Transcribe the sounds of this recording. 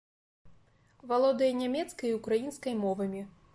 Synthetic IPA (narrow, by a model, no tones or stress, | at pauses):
valˠɔd̪ɐjɐnʲamʲɛt̪skɐjukɾajinskɐjmɔvɐmʲi